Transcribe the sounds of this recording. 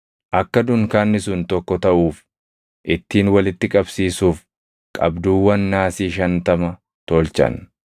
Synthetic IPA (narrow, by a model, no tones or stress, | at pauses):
ʔɐkːɐd̪ʊŋkaːnːɪsʊnt̪ɔkːɔt̪ɐʔuːf | ʔɪt̪ːiːnwɐlɪt̪ːɪkʼɐbsiːsuːf | kʼɐ̰bd̪uːwːɐnːaːsiːʃɐnt̪ɐmɐ | t̪oːlt͡ʃɐ̰n